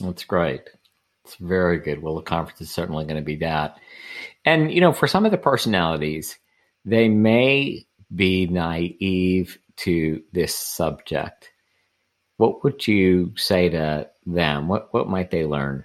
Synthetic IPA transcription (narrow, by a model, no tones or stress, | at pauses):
ðætsɡ̥ɹeɪt̚ | ɪtsvɛɹiɡʊd̚wɛlˠðəkʰɑ̃ɱfə̃nsɨz̥sɜ˞ʔn̩liɡʌnɨbiðɨt̚ | ɨ̃njɨñoʊfə˞sʌ̃mʌvðɨpʰɜ˞sɨnælˠəɾiz̥ | ðeɪmeɪ | binaɪiv̥tʰɨðɪsʌb̚d͡ʒɪ̰k̚t̚ | wʌʔ̚wəd͡ʒɨseɪɾɨðɨ̰̃mwʌʔ̚wʌt̚maɪt̪̚ðeɪlɜ̰̃˞n